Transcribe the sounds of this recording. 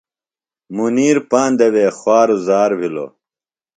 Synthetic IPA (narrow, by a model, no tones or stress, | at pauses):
muniːɾpaːnd̪ɐweːxwaːɾuzaːɾbʱilo̰